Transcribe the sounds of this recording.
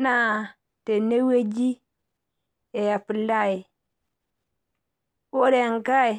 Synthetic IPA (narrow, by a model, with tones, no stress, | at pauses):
na˦˨ | te˨ne˦we˦d͡ʒi˦ | e˨ja˨pi˨la˦˨i˨ | wo˦ɾe˨ŋ˨ka˦i˨